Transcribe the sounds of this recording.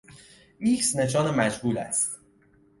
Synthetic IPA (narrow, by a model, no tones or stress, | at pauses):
miksne̞ʃ̬ɒːnemæd͡ʒhuːlæ̰st̪